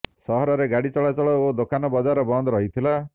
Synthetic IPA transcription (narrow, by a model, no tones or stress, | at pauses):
sɔɦɔɾɔɾeɡaɽit͡ʃɔɭat͡ʃɔɭɔod̪okanɔbɔd͡ʒaɾɔbɔnd̪ɔɾɔɦit̪ʰila